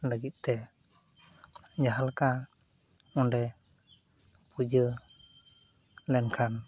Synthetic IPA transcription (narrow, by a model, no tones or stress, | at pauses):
laɡit̪̚t̪ɛ | d͡ʒaɦalka | ɔndɛ | pud͡ʒə | lɛnkʰan